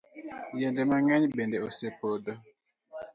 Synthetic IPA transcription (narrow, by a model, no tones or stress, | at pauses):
jɛndɛmaŋaɲbɛndɛosepod̪ɔ